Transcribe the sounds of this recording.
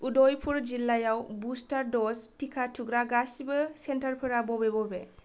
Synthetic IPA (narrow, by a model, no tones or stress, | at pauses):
udɔjpʰuɾd͡ʒilːajawbustaɾdɔstikʰatʰuɡɾaɡasibɯsentaɾpʰɯɾabɔbɛbɔbɛ